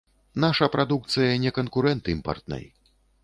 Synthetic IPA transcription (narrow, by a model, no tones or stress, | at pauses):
naʂɐpɾʔad̪uk̚t̪sɨjɐnʲɛkɐnkuɾɛnt̪ɨimpɐ̰rt̪̚nɐ̰j